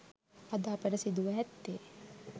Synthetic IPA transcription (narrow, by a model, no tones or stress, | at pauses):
ad̪aːpəɾəsid̪uʋəɦɛt̪ːeː